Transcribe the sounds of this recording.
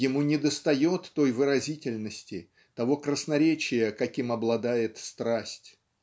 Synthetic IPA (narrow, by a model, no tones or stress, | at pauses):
jɪmunʲɪd̪əst̪ɐjo̞t̪ːo̞jvɨɾɐzʲitʲɪlʲnəsʲtʲɪ | t̪ɐvo̞kɾəsnɐɾʲet͡ɕɪjəkɐkʲimɐblˠɐd̪ajɪt̪st̪ɾasʲtʲ